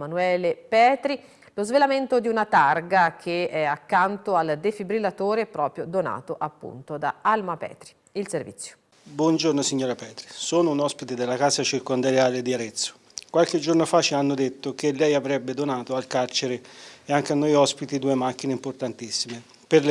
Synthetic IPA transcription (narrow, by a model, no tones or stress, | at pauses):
manuɛːlepɛːt̪ɾi | lozvelament̪od̪iunat̪arɡak̟ʰeɛakːant̪oald̪efibɾilːat̪oːɾepɾɔːpɾjod̪ona̰ːt̪oʔapːṵnt̪od̪a̰almapɛ̰ːt̪ɾi̥ | ilservḭt̪sːjo̥ | bwɔnd͡ʒornosiɲːoːɾapɛːt̪ɾisoːnounɔspit̪ed̪elːakasat͡ʃirkond̪aɾjaːled̪iaɾet̪sːo̥ | kwalked͡ʒornofat͡ʃːeanːod̪et̪ːokelːɛjavɾɛbːed̪onaːt̪oalkart͡ʃeɾeeaŋk̟eanːojɔspit̪id̪uːemak̟ːineimport̪ant̪isːime | perl